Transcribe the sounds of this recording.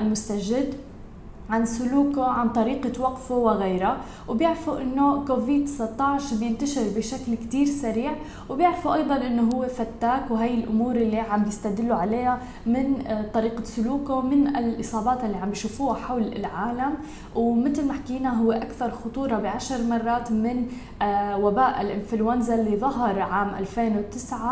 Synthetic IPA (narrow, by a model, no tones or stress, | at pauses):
ɪlmʊst̪aʒɪd̪ | ʕansʊluːkoʕant̪ˤɑɾiːqawɑqfowɪɣeːɾa | wbjɪʕɾfuʔɪnːokoːviːd̪t̪sˤɑt̪ˤːɑʕʃbjɪnt̪aʃɪɾbɪʃaklkt̪iːɾsaɾiːʕ | wbjɪʕɾfuʔɑjd̪ˤɑnʔɪnːoɦʊwːefat̪ːaːkwɦaːjːɪlʔʊmuːɾʔɪlːiʕambjɪst̪ad̪ɪlːʊʕaleːha | mɪnt̪ˤɑɾiːqasʊluːkomɪnɪlʔɨsˤɑːbɑːt̪ɪlːiʕambjiʃuːfuːhaħawlɪ̰lʕaːlam | wmɪt̪ɪlmaħkiːnaɦʊwːeʔakθɑɾˤxʊt̪ˤuːɾˤɑbɪʕaʃɾˤmɑrˤːɑːt̪mɪn | wabaːʔɪlʔɪnfluanzalːiðˤɑɦɑɾˤʕaːmʔa̰lfeːnwɪt̪ːɪsʕa